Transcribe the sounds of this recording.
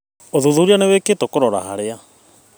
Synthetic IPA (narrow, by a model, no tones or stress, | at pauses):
oðuðuɾianeweketokɔɾɔɾa̰ɦaɾea